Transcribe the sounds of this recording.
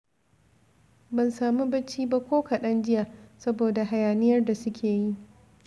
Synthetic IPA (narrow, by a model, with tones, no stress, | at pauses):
bɐ˨nsaː˨mu˦bɐ˦t͡ʃiː˦ba˦kʷoː˦ka˨ɗɐ˦nd͡ʒɪ˦ja˨sɐ˦boː˨da˨ɦa˨jaː˨nɪ˦jɐ˦rda˨sʊ˦kʲʰeː˨ji˦